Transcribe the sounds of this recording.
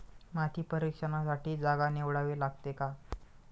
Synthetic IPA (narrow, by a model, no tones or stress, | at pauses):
mat̪ʰiːpəɾikʂənasaʈiːd͡zaɡaneʋɽaʋeːlaɡt̪eka